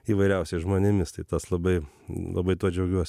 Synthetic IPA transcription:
iːʋɐɪɾʲɛʊsʲɛɪʒmoːnʲɪmʲɪst̪ɐɪt̪ɐslˠɐbɐɪ | lˠɐ̰bɐɪt̪uɔd͡ʒʲɛʊɡʲuɔsʲ

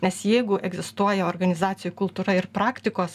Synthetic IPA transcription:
nʲɛsjɛɪɡʊʔɛɡzʲɪst̪uɔjɛoːrɡɐnʲɪzɑːt̪sʲɪjʊkʊlˠt̪uːɾɐɪɾpɾɑːkt̪ʲɪkoːs

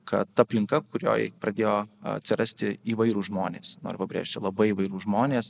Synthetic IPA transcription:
kɐt̪tɐɐpʲlʲɪŋkɐkʊɾʲo̰ːjpɾɐd̪ʲeːjoːɐ̰t̪ʲsʲɪɾɐsʲt̪ʲɪiːʋɐɪɾuːʒmoːnʲeːsno̰ːɾʲʊpɐbʲɾʲḛːʃʲt̪ʲɪlˠɐbɐɪiːʋɐɪɾuːʒmoːnʲeːs

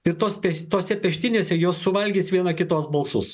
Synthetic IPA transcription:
ɪɾt̪oːspʲɛt̪oːsʲɛpʲɛʃʲt̪ʲɪnʲeːsʲɛjoːsːʊʋɐlʲɡʲiːsʋʲiɛnɐkʲɪt̪oːsbɐlˠsʊs

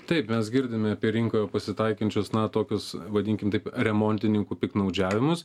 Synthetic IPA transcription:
t̪ɐɪpmʲɛsɡʲɪɾʲd̪ʲɪmʲɛɐpʲiɛɾʲɪŋkoːjɛpɐsʲɪt̪ɐɪkɐnʲt͡ʃʲʊsnɐt̪oːkʲʊsʋɐd̪ʲɪŋʲkʲɪmt̪ɐɪpɾʲɛmoːnʲt̪ʲɪnʲɪŋkuːpʲɪknɐʊd͡ʒʲæːʋʲɪmʊs

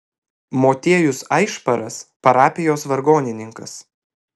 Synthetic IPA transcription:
moːt̪ʲiɛjʊsɐɪʃpɐɾɐspɐɾɑːpʲɪjoːsʋɐɾɡoːnʲɪnʲɪŋkɐs

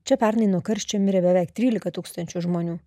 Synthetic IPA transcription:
t͡ʃʲɛpʲæɾnɐɪnuɔkɐɾʲʃʲt͡ʃʲɛmʲɪɾʲɛbʲɛʋʲɛɪkt̪ʲɾʲiːlʲɪkɐt̪uːkst̪ɐnʲt͡ʃʲuʒmoːnʲuː

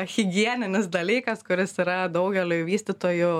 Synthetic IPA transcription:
xʲɪɡʲiɛnʲɪnʲɪsd̪ɐlʲiːkɐskʊɾʲɪsiɾɐd̪ɐʊɡʲɛlʲʊʋʲiːsʲt̪ʲɪt̪oːjʊ

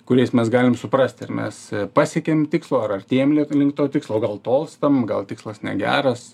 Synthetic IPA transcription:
kʊɾʲɛɪsmʲɛsɡɑːlʲɪmsʊpɾɐsʲt̪ʲɪrmʲɛ̰spɑːsʲeɛkʲemt̪ʲɪkslˠoːɐrɐrt̪ʲiːjɛmlʲɪlʲɪŋkt̪oːt̪ʲɪkslˠoːɡɐlˠt̪oːlˠst̪ɐmɡɐlˠt̪ʲɪkslˠɐsnʲɛ̰ɡʲæ̰ːɾɐs

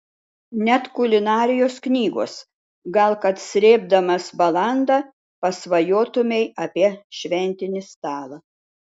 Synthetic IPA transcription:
nʲɛt̪kʊlʲɪnɑːɾʲɪjoːsknʲiːɡo̰ːs | ɡɐlˠkɐt̪sʲɾʲeːb̚d̪ɐmɐsbɐlˠɑˑnd̪ɑ | pɐsʋɐjoːt̪ʊmʲɛɪɐpʲiɛʃʲʋʲɛnʲt̪ʲɪnʲɪst̪ɑːlˠɐ

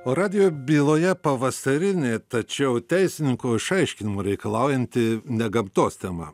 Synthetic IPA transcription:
oːɾɑːd̪ʲɪjoːbʲiːlˠoːjɛpɐʋɐsɐɾʲɪnʲeːt̪ɐt͡ʃʲɛʊt̪ʲɛɪsʲɪnʲɪŋkoːɪʃɐɪʃʲkʲɪnʲɪmoːɾʲɛɪkɐlˠɑʊjɛnʲt̪ʲɪnʲɛɡɐmt̪oːst̪ʲɛmɐ̰

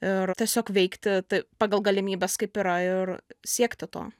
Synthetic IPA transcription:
ɪɾt̪ʲiɛsʲoːkʋʲɛɪkt̪ʲɪt̪ɐɪpɑːɡɐlˠɡɐlʲɪmʲiːbʲɛskɐɪpiɾɐɪrsʲiɛkt̪ʲɪt̪o̰ː

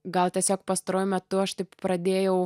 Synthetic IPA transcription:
ɡɐlˠt̪ʲiɛsʲoːk̚pɑst̪ɐɾoːjʊmʲɛt̪ʊɐʃt̪ɐɪppɾɐd̪ʲeːjɛʊ

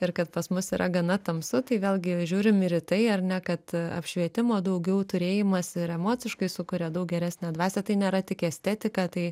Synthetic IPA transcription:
ɪrkɐt̪pɐsmʊsiːɾʔɐɡɐnɐt̪ɐmsʊt̪ɐɪʋʲeːlʲˠɡʲɪʒʲuːɾʲɪmɪɾɪt̪ɐɪɐɾnʲɛkɐt̪ɐ̰pʲʃʲʋʲiɛt̪ʲɪmoːd̪ɐʊɡʲɛʊt̪ʊɾʲeːjɪmɐsɪɾɛmoːt͡sʲɪʃkɐɪsʊkʊɾʲɛːd̪ɐʊk̚ɡʲɛɾʲæːsʲnʲæd̪ʋɑːsʲɛt̪ɐɪnʲeːɾɐt̪ʲɪkɛsʲt̪ʲɛːt̪ʲɪkɑːt̪ɐɪ

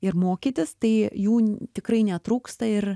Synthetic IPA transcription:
ɪɾmoːkʲiːt̪ʲɪst̪ɐɪjuːt̪ʲɪkɾɐɪnʲɛt̪ɾuːkst̪ɐɪr

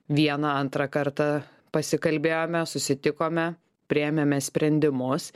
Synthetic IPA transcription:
ʋʲiɛnɐɐnt̪ɾɑkɐɾt̪ɐ | pɐsʲɪkɐlʲbʲeːjoːmʲɛsʊsʲɪt̪ʲɪkoːmʲɛ | pʲɾʲɪɛmʲemʲɛsʲpʲɾʲɛnʲd̪ʲɪmʊs

